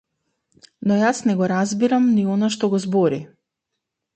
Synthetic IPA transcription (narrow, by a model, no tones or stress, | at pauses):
nɔjasnɛɡɔɾazbiɾamniɔnaʃt̪ɔɡɔzbɔɾi